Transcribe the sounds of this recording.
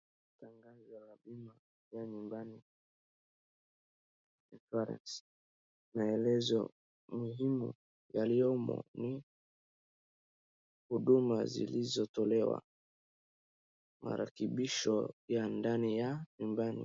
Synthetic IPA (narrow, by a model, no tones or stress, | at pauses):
taŋɡazwalabima | jaɲumbani | infaɾɛ̰ns | maɛlɛzɔ̰ | muhimṵ | jaliɔmɔ̰ni | huɗumazḭlizɔtɔlɛwa̰ | mʔa̰ɾʔa̰kiɓiʃɔjandanijaɲumbanḭ